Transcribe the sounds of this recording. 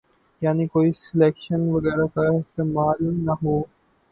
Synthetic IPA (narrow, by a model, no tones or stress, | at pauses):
janikoiːsilekʃənʋəɡɛːɾakaeɦt̪imaːlnaɦo